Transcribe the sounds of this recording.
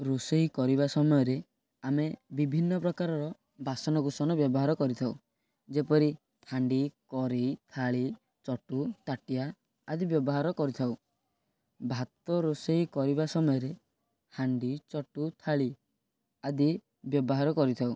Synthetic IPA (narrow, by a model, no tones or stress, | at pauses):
ɾoseikɔɾiβasɔmɔjɔɾe | amebibʱinːɔpɾɔkaɾɔɾɔ | basɔnɔkusɔnɔbjɔbɔɦaɾɔkɔɾit̪ʰaw | d͡ʒepɔɾi | hʰaɳɖikɔɾit̪ʰaɭi | t͡ʃɔʈut̪aʈijaː | d̪ibjɔbɔɦaɾɔkɔɾit̪ʰaw | bʱat̪ɔɾoseikɔɾibasɔmɔjɔɾe | haɳɖit͡ʃɔʈut̪ʰaɭi | ad̪i | bjɔbɔɦaɾɔkɔɾit̪ʰaw